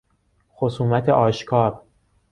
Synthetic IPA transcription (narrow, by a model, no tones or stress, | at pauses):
xosuːmæt̪ʰeʔɒːʃkʰɒːɾ